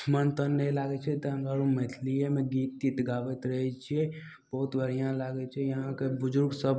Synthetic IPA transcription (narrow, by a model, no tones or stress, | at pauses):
mənt̪ənːɛlaɡɛt͡ʃʰɛt̪əə̃ŋɡaɾumɛt̪ʰlijemeɡit̪ːit̪ɡabɛt̪ɾəɦɛt͡ʃʰiɛ | b̥əɦut̪bʱəɾ̤ijãlaɡɛt͡ʃʰɛjəɦãkebud͡ʒuɾɡsəb